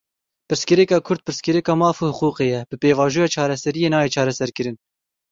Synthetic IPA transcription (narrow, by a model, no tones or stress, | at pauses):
pɨɾskɨɾɛkɑːkʰʊɾd̪̚pɨɾskɨɾɛkɑːmɑːfuːhʊquːqeːjɛb̥ɨpeːvɑːʒuːjɑːt͡ʃʰɑːɾɛsɛɾijeːnɑːjeːt͡ʃʰɑːɾɛsɛɾkɨɾɨn